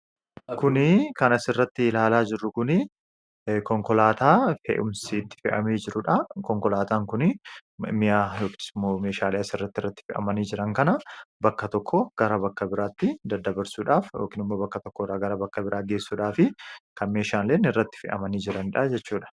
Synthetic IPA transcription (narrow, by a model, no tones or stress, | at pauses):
kʊnɪkɐnɐsɪrːɐt̪ːɪlaːlaːd͡ʒɪrːʊkʊnɪ | kɔŋkɔlaːt̪aːfḛːʔʊmsiːt̪ːɪ̥fɪ̰ʔɐ̰meːd͡ʒɪɾʊᶑɐkɔŋkɔlaːt̪aːŋkʊnɪmɪjaːjoːkɪ̥smomeːʃaːleɐsɪrːɐt̪ːɪrːɐt̪ːɪ̥fɪʔɐ̰mɐniːd͡ʒɪɾɐŋkɐnɐbɐkːɐt̪ɔkːɔɡ̥ɐɾɐbɐkːɐbɪɾaːt̪ːɪd̪ɐd̪ɐbɐɾsuːᶑaːfjo̰ːkɪnɪmːoːbɐkːɐt̪ɔkːɔɾaːɡɐɾɐbɐkːɐbɪɾʔaːɡe̞ːsːuːᶑaːfɪkɐnme̞ːʃaːnleːnːɪrːɐt̪ːɪ̥fɪ̰ʔɐ̰mɐniːd͡ʒɪɾɐnᶑɐːd͡ʒɛt͡ʃːuːᶑɐ̥